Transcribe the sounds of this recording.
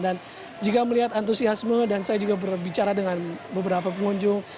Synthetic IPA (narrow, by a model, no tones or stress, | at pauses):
dan | d͡ʒikaməliɦat̪ant̪̬usiasmədansajad͡ʒuɡabərbit͡ʃaɾadəŋanbəbəɾapapəŋuɲd͡ʒʊŋ